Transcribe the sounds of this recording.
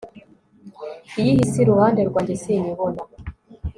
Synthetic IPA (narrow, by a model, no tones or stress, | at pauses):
ijihisiɾuhaːndeɾɡwaːɲɟesiɲiβona